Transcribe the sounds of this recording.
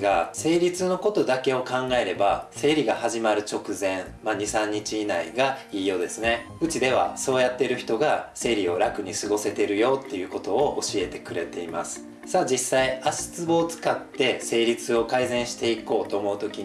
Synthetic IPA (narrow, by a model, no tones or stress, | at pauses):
ɡase̞ːɾʲit͡sɨno̞ko̞t̪o̞d̪ake̞o̞kãŋɡae̞ɾe̞base̞ːɾʲiɡahaʑimaɾɯ̟t͡ɕo̞kɯ̟zẽ̞ɰ | maɲ̟isãɲ̟ːit͡ɕiːnaiɡaiːjo̞d̪e̞sɨne̞ | ɯt͡ɕid̪e̞β̞a̰so̞ːjat̪ːe̞ɾɯ̟çi̥t̪o̞ɡase̞ːɾʲio̞ɾakɯ̟ɲ̟isɨɡo̞se̞t̪e̞ɾɯ̟jo̞ːt̪ːe̞jɯ̟ːko̞t̪o̞oʔoɕie̞t̪e̞kɯ̟ɾe̞t̪e̞ima̰sɨ̥ | sad͡ʑisːaiaɕi̥t͡sɨbo̞ːt͡sɨ̥kat̪ːe̞se̞ːɾʲit͡sɨo̞kaizẽ̞ɰ̃ɕi̥t̪e̞iko̞ːt̪o̞ːmo̞ɯ̟t̪o̞kʲi